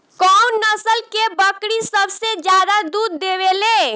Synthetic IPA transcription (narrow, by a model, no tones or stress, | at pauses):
kɔnnəsəlkebəkɽisəbsed͡ʒjad̪ad̪uɾd̪eʋele